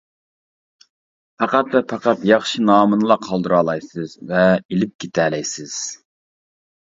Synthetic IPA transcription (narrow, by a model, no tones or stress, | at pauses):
pʰɑqɑt̪lɛpʰɑqɑt̪jɑχʃinɑːmɨnɨlˠɑqʰɑlˠd̪ɨɾɑːlˠɑjsɨzvɛilɪp̚kʲʰet̪ʰæːlɛjsɨz̥